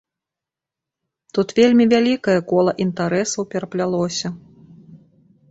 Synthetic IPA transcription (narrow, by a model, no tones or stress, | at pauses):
t̪ut̪vʲelʲmʲivʲalʲikɐjɐkɔlˠɐʔint̪aɾɛsɐwpʲɛɾɐplʲalˠɔsʲɐ